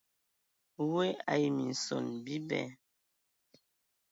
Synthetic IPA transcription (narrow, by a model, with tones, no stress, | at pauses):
we˦a̰˨ji˨mi˨n̩˨so̰˨nbi˦bɛ̰˨˦